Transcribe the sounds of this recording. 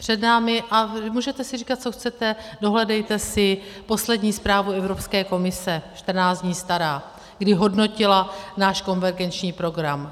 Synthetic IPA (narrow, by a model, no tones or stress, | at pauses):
pr̝̥ɛdnaːmɪʔamuːʒɛt̪ɛsɪriːkat̪̚t͡so̞xt͡sɛt̪ɛdo̞ɦlɛdɛjt̪ɛsɪpo̞slɛdɲiːspɾaːvuɛvɾo̞pskɛːko̞mɪsɛʃt̪r̩naːt͡sd̪ɲiːst̪aɾaː | ɡdɪɦo̞dno̞cɪlanaːʃko̞nvɛɾɡɛnt͡ʃɲiːpɾo̞ɡɾam